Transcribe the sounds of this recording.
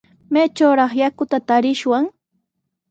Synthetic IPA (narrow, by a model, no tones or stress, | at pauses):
meːt͡ʃawɾɑχjakʊt̪at̪aɾɪʃwaŋ